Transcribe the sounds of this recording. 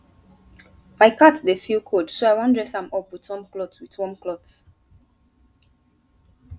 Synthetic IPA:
maɪkatdefilkʰodsoaɪwãndɹɛsãmɔpwitɔ̃mklɔtwitwɔ̃mklɔt

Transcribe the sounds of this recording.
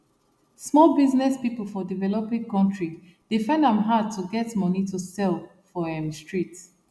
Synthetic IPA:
smɔlbiznɛspipəl̩ˠfɔdivɛlɔpɪ̃ŋkɔ̃ntɹi | d̥ifɛ̃ndãmɦad̚tʰuɡɛtmɔnitusɛlfɔɛ̃mstɹit

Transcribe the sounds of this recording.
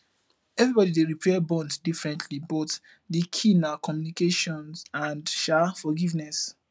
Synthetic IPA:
ɛvɹibɔdideɹipʰɛbɔ̃nddifɹɛ̃ntʰlibɔt | dikʰĩnakʰɔ̃mjunikeʃɔ̃nsãndʃafɔɡivnɛs

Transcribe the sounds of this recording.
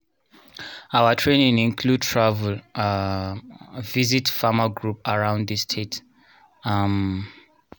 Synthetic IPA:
awətʰɹẽnĩŋĩnkʰlud̚tʰɹavəl | vizitfamaɡɹupaɹãʊ̃nd̪ðistʰet | am

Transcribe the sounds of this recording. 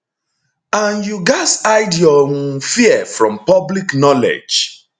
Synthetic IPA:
ãnjuɡasaɪdjɔwũfiɛfɹɔ̃mpɔbliknɔlḛd͡ʒ

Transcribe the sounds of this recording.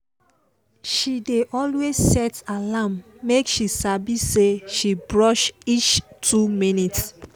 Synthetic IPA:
ʃideʔɔlwezsɛtalãmː | ekʃisabiseʃibɹɔʃit͡ʃtʰuminits

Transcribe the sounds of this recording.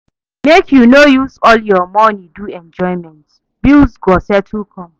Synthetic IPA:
mekʰjunojuzɔljɔmɔ̃niduɛ̃nd͡ʒɔɪmɛ̃nt | bilzɡɔsɛtʰukʰɔ̃m

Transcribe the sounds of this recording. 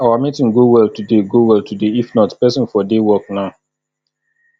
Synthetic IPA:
awamitĩŋɡowɛlˠtudeɡowɛlˠtʰudeifnɔtpɛsɔ̃nfɔdewɔk̚naʊ

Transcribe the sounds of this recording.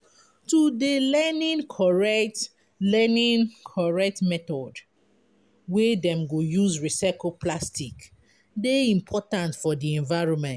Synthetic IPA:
tudelɛnĩŋkʰɔɹɛt | lɛnĩnkʰɔɹɛk̚tmɛtɔd | wedɛ̃mɡojuzɹisakopʰlastik | deĩmpʰɔtãntfɔdiɛ̃ɱvaɪɹɔ̃nmɛ̃nt

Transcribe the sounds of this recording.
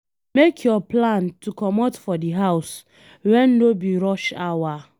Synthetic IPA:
mekʰjɔplãntukɔmɔtfɔdiɦaʊs | wɛn̩nobiɾɔʃawa

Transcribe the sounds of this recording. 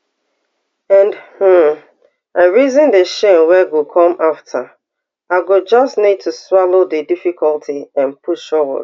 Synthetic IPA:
ɛ̃nd̩ | aɪɹizə̃ndeʃẽnwɛɡokʰɔ̃maftʰə | aɪɡod͡ʒʌstnid̚tʰuswalodedifikʰɔltʰiɛ̃npʰuʃɔwɔ̰d̥

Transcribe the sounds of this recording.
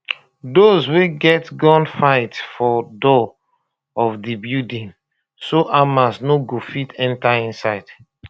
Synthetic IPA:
dozweɡɛtɡɔ̃nfaɪtfɔdɔ | ɔfdibjudĩn | soʔamasnoɡofitɛ̃ntaĩnsaɪd̥

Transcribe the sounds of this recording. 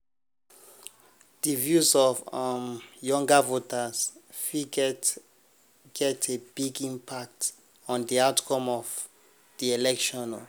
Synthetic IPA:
dəvjuzɔvamjɔ̃ŋɡavotazfi | ɡ̥ɛtʰebiɡĩmpʰak̚t | ɔ̃ndiaʊtkʰɔ̃mɔv | diɛlɛkʃɔ̃nɔ

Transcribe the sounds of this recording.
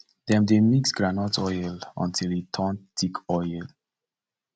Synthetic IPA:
d̪ɛ̃mdemiksɡɹanɔtɔjlɔ̰̃ntʰilitʰɔ̃ntʰikʰɔjl

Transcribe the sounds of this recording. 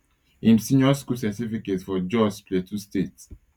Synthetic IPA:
ĩmsĩnjɔskulsɛtifiketsfɔd͡ʒɔspletʰustet

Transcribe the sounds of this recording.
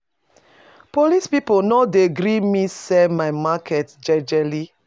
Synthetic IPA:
polispiponɔdeɡɾimisɛmajmakʰɛtd͡ʒɛd͡ʒɛli

